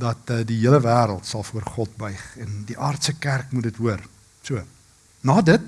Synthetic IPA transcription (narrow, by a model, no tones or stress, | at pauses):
dɐtədiɦiələvæːɾəlˠtsɐlˠfuərχɔt̚bœjχɛndiʔɑːrtsəkærkmutdətɦuər | suə | nɑːdət̚